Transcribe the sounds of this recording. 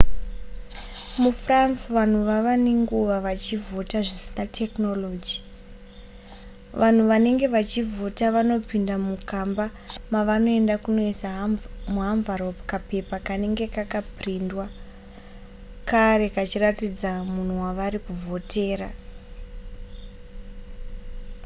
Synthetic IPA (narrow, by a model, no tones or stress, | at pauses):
mufransʋan̤uʋaʋaneŋɡuʋaʋat͡ʃivo̞taʐisi̥natʰe̞kno̞lo̞ːd͡ʒi | ʋʔan̤uʋane̞ŋɡe̞ʋat͡ʃivʱo̞taʋano̞pindamukambamaʋano̞e̞ndakuno̞isaɦmuɦaɱvaɾopkape̞pakane̞ŋɡe̞kakaprindwa | kaɾe̞kat͡ʃiratid͡zamun̤uwaʋaɾikuvʱo̞te̞ːɾa